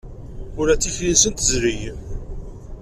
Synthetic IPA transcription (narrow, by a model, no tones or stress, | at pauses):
ʊɾæt͡sːifjinsənt̪əzɾij